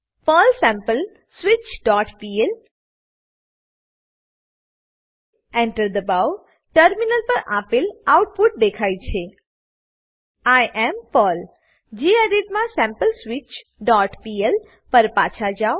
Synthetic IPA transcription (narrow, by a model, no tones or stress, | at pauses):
pəlsɛ̃mpəl | swit͡ʃɖɔʈpiel | ɛ̃ɳʈəɾd̪əbaw | ʈəɾminəlpəɾʔapilawʈ̚puʈ̚d̪ekʰajt͡ʃʰe | ajʔɛmpəl | d͡ʒiəɾiʈ̚mãsɛ̃mpəlswit͡ʃ | ɖɔʈpiel | pəɾpat͡ʃʰad͡ʒaw